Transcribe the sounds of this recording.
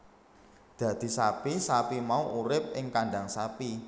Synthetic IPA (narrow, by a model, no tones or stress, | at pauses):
d̪̥ä̤d̪̥i̤sapisapimauʔuɾɪp̚ʔɪŋkaɳɖaŋsapi